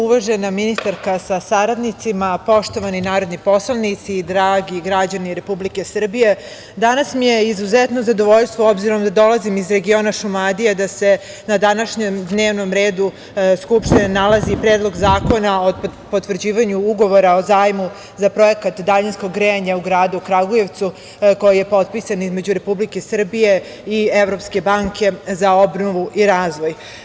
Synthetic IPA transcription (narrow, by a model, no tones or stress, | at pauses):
uʋaʒenaminist̪aɾkasasaɾad̪nit̪simapo̞ʃt̪o̞ʋaninaːɾo̞d̪nipo̞slanit̪siːd̪ɾaːɡiɡɾad͡ʑaniɾe̞publike̞sr̩bije̞ | d̪anasmije̞izuzet̪nozad̪oʋo̞ʎst̪ʋoo̞bziɾo̞md̪ad̪o̞lazimizɾe̞ɡio̞ːnaʃumad̪ijed̪ase̞ | nad̪anaʃɲemd̪ne̞ːʋno̞mɾe̞ːd̪u | skupʃt̪inenalˠazipɾeːd̪lˠoɡzaːko̞naopot̪ʋr̩d͡ʑiːʋaɲuuɡo̞ʋo̞ɾao̞zaːjmu | zapɾo̞je̞kat̪d̪aʎinsko̞ɡːɾeɲauɡɾaːd̪uukɾaɡoje̞ʋt̪su | ko̞jije̞po̞t̪̚pisanizme̞d͡ʑuɾe̞publikesr̩bije̞ | ieʋɾo̞pske̞baːŋkʰe̞zao̞bnoʋuʔiɾaːzʋo̞j